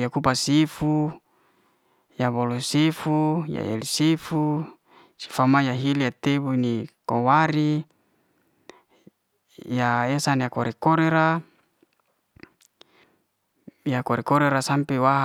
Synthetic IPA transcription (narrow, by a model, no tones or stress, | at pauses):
jakupasifu | jabolosifuja̰ḛlisifu | si̥famajaɦilijat̪ebuinikowaɾi | jaesanjakoɾʔekoɾeɾa | jakoɾekoɾeɾasampewaɦ